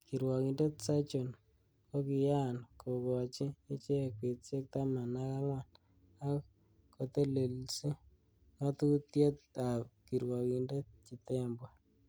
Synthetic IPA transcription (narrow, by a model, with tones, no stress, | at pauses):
ki˨ɾwɔ˨ki˨nde˦tsa˦t͡ʃo˨n | ko˦ki˨ja˦˨nkʰo˨kɔ˨t͡ʃiː˦t͡ʃe˦kwe˨t͡se˦k̚ta˦ma˨na˦ka˦ŋwa˨n | a˦k | ko˨t̪e˦le˨lsi˦ | ŋa˦tu˦tje˦t̚a˨pki˨ɾwɔ˨ki˨nde˦t̚t͡ʃi˨tɛ˦mbwa˨